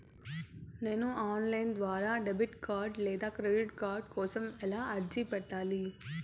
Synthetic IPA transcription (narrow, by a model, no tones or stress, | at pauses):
nenũaːnlaɪnd̪ʋaːɾaɖebɪʈkaːɾɖleːd̪aːkɾeːɖɪʈkaːɾɖ̚koːsɐmɛlaɐɾd͡ʒipɐʈaːliː